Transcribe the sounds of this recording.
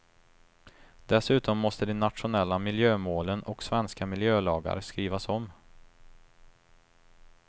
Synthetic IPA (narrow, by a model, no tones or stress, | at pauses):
d̪̥ɛsʉ̟ːt̪ɔmːɔst̪əd̪ɛnːat̪ɧʊnɛlːamɪljøːmoːlənɔksvɛnskamɪljøːlɑːɡa̰ɾskɾiːvasɔm